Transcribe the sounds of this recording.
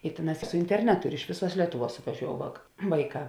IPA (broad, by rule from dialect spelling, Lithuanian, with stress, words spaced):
ɪ ˈtʲeːˌnɑːs sʊ ɪnʲtʲɛrʲˈnʲæːtʊ ɪr ɪʃ ˈʋʲeːˌsuɔs ˈlʲiɛtʊˌʋuɔs sʊʋɐˈʒʲoːʊ ʋɐk ˈʋɐɪˌkɑː